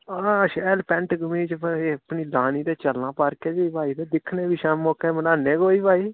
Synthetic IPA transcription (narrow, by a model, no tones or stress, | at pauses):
aːʃɛːlpɛ̃ɳʈɡəmiːt͡ʃːəpniːlaːniːd̪eːt͡ʃəlnãːpəɾkeːd͡ʒeiːbaːiːd̪eːd̪ɪkʰnẽːbiːʃɛːmːoːkeːmənaːnːeːɡoːiːbaːiː